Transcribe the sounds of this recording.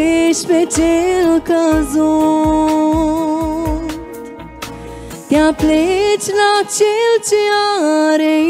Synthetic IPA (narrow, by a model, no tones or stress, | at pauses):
eʃpet͡ʃelkəzo | t̪japlet͡ʃlat͡ʃelt͡ʃeaɾe